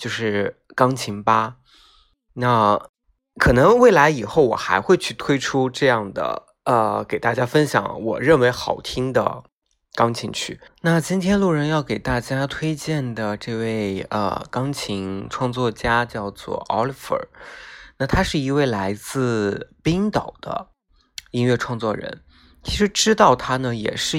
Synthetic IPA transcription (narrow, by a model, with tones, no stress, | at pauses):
t͡ɕjo˥˧ʊʂɻ̩˥˩ | kɑ˥ŋt͡ɕʰi˧˥ŋpa˥ | na˥˩ | kʰɤ˨˩nɤ˧˥ŋwe˥˩ɪla˧˥ɪi˨˩xo˥˩ʊwɔ̰˨˩xa˧˥ɪxwe˥˧ɪt͡ɕʰy˥˩t̪ʰwe˥ɪʈ͡ʂʰu˥ʈ͡ʂɤ˥˧jɑ˥˩ŋd̪ə̰˩ | ə˧ke˨˩ɪt̪a˥˩t͡ɕja˥fə˥nɕjɑ̰˧˥˦ŋwɔ̰˨˩ɻə˥˩nwe˧˥ɪxɑ˨˩ʊt̪ʰi˥ŋd̪ə̰˨ | kɑ˥ŋt͡ɕʰi˧˥ŋt͡ɕʰy˥˩na˥˩t͡ɕi˥nt̪ʰjɛ˥nlu˥˩ɻə˧˥njɑ˥˩ʊke˨˩ɪt̪a˥˩t͡ɕja˥t̪ʰwe˥ɪt͡ɕjɛ˥˩nd̪ə˩ʈ͡ʂɤ˥˧we˥˩ɪə̰˧˩kɑ˥ŋt͡ɕʰi˧˥ŋʈ͡ʂʰwɑ˥˧ŋt͡swɔ˥˩t͡ɕja˥t͡ɕjɑ˥˧ʊt͡swɔ̰˥˩ʔɔ̰˥li˥˩fə̰˞˨˩na˥˩t̪ʰa˥ʂɻ̩˥˩i˧˥we˥˩ɪla˧˥ɪt͡sɹ̩˥˩pi˥ŋt̪ɑ˨˩ʊd̪̥ə̰˦ | i˥nɥɛ˥˧˩ʈ͡ʂʰwɑ˥˧ŋt͡swɔ˥˩ɻə̰˧˥n | t͡ɕʰi˧˥ʂɻ̩˧˥ʈ͡ʂɻ̩˥t̪ɑ˥˩ʊt̪ʰa˥nə˨jɛ̰˨˩ʂɻ̩˥˩